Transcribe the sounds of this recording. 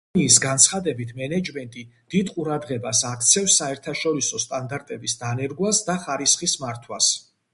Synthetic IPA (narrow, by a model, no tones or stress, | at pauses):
iːsɡant̪sʰχad̪ɛbit̪ʰmɛnɛd͡ʒmɛnt̪ʼid̪̥id̪qʼuɾad̪ʁɛbasakʰt̪sʰɛfsːaɛɾt̪ʰaʃɔɾisɔst̪ʼand̪aɾt̪ʼɛbisd̪anɛɾɡwasd̪aχaɾisχismaɾt̪ʰwas